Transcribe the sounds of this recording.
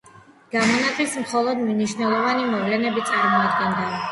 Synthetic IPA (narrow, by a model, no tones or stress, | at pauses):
ɡ̥amɔnat̪ʼismχɔlˠɔd̪mniʃnɛlˠɔvanimɔvlɛnɛbit̪sʼaɾmɔad̪ɡɛnd̪a